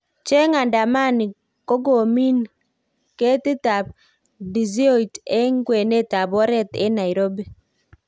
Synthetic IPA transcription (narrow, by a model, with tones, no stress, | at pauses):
t͡ʃe˦ŋa˨nda˨ma˦ni˨ | ko˦ɡo˨mi˦n | ke˦ti˦ta˨b̚ | di˨zi˦o˦˨tɛ˦ŋ˦ɡwe˨ne˦ta˨bɔ˦ɾɛ˦tɛ̰˦na˨i˨ɾo˦bi˦˨